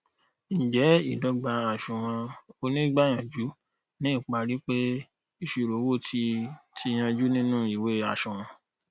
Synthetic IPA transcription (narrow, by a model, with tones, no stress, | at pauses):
n̩˨d͡ʒɛ˨˦i˦˨dɔ˨˦ɡ͡ba˧a˨ʃũ˨w̃ɔ̃˧o˧nĩ˦ɡ͡ba˦˨j̃ã˨d͡ʒu˨˦ | nĩ˦i˦˨k͡pa˧ɾi˦k͡pe˦ | i˨ʃu˨ɾo˨˦wo˦˨tʰi˧tʰi˧j̃ã˧d͡ʒu˦nĩ˦nũ˦i˨we˨˦a˧˨ʃũ˨w̃ɔ̃˧